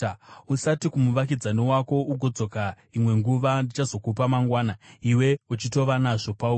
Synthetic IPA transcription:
usatikumuʋak̬id͡zaniwako̞uɡʱo̞d͡zo̞ka | imwe̞ŋɡuʋandit͡ʃazo̞kupamaŋɡwaːnaiwe̞ut͡ʃito̞ʋanaʐo̞pau

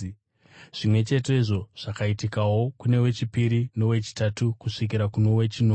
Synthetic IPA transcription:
ʐ̥imwe̞t͡ʃe̞te̞iʐo̞ʐ̥akaitikawo̞kune̞we̞t͡ʃipiɾino̞we̞t͡ʃi̥tatukuʂik̬iɾakuno̞we̞t͡ʃinoː

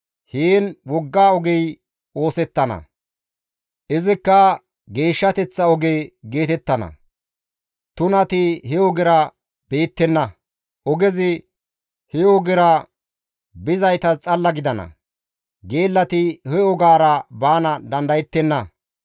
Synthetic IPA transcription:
hiːnwɔɡːaːɔɡɛj | o̞ːsɛt̪ːɐnɐ̰ | ʔɪzɪkːɐ | ɡe̞ːʃːɐt̪ɛt͡sːɐɔɡejɡe̞ːt̪ɛt̪ːɐnɐ̰ | t̪ʊnɐt̪ɪhɛɔɡɪɾɐ | b̥e̞ːt̪ːɛnːɐ | ʔɔɡɛzɪ | hɛɔɡɪɾɐ | bɪzɐjt̪ɐt͡sʼɐlːɐɡɪd̪ɐnɐ̰ | ɡe̞ːlːɐt̪ɪhɛɔɡaːɾɐbaːnɐd̪ɐnd̪ɐjɛt̪ːɛnːɐ

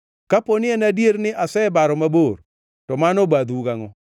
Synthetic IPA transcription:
kaponɪenadjeɾnɪʔasɛbaɾɔmabor | tɔmanobad̪uɡaŋɔ

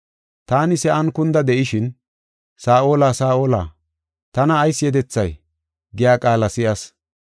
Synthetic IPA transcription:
t̪aːnɪsɛʔɐnkʊnd̪ɐd̪ɛʔɪʃɪn | saːo̞ːlaːsaːo̞ːla̰ː | t̪ɐnɐːjsːɪjɛd̪ɛt͡sːɐj | ɡɪjaːkʼaːlɐsɪʔɐs

